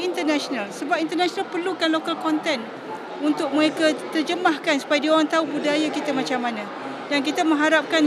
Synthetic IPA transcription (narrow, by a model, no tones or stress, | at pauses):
int̪ərnasonalsəbap̚int̪ərnasonalpərlukanlokalkɔnt̪ɛn | unt̪ʊk̚məɾekat̪ərd͡ʒəmahkansu̥pajadiaoɾaŋt̪aubudajakit̪əmãt͡ʃamːanã | dank̬it̪amə̃ŋɦaɾap̚kan